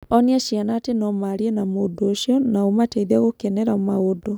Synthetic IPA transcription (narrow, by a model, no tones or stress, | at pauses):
ɔniaʃjanatenɔmaɾienamodoːʃjɔnaomateðaɣokɛnɛɾamaodo